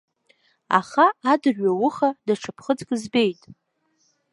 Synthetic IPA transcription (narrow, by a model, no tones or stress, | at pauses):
a̰χaːdɨrɥawʊχadaʈ͡ʂʰapʰχəd͡zkʼzbe̞jtʼ